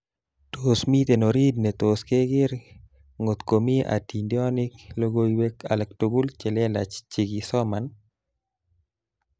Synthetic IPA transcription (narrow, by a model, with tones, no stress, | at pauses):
t̪osmi˦t̪e˨no˨ɾi˦dnɛ˨t̪oske˦ɡɪ˦ɾ | ŋo˨t̪ko˨mi˦a̰˨ti˨ndjɔ˦nɪ˦klo˦ɡo˦iwe˦ka̰˨lɛ˨ktoɡu˦lt͡ʃɛ˨lɛ˦la̰˨t͡ʃt͡ʃi˨ɡisɔ˦man